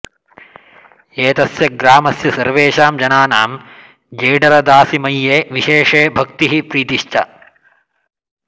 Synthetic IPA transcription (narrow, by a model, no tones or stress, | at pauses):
eːt̪ɐsjɐɡɾaːmɐsjɐsɐɾʋeːʃaːmd͡ʒɐnaːnaːm | d͡ʒeːɖɐɾɐd̪aːsimɐjːeːʋiʃeːʂeːbʱɐkt̪iɦipɾiːt̪iʃt͡ʃɐ